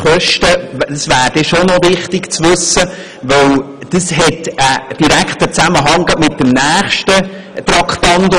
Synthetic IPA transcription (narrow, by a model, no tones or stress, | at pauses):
χœʃtəd̥əsʋæːɾd̥ɛʃonɔʋɪχtɪkt͡sʋʉsːə | ʋœw | d̥əsɦɛtəd̥iɾækχt̪ət͡sæməɦɑŋəmɪt̚ːəmnæːχʃtə | t̪ɾɑkχpɑnd